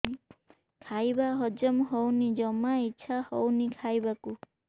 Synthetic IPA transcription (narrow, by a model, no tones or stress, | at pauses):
kʰajbaɦɔd͡ʒɔmɦɔwnid͡ʒɔmaitːʃʰahɔwnikʰajbaku